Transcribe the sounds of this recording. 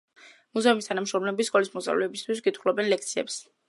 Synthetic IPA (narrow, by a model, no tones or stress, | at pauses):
muzɛumist̪ʰanamʃɾɔmlɛbiskʼɔlismɔssʼa̰vlɛːbist̪ʰwisɡit̪ʰχlˠɔbɛnlɛk̚ʰt̪sʰiɛ̰ps